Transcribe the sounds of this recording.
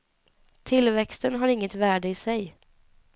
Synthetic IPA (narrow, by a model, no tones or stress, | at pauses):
t̪ʰɪlvɛkst̪ənɦaɾɪŋːət̪væːɖəɪsɛj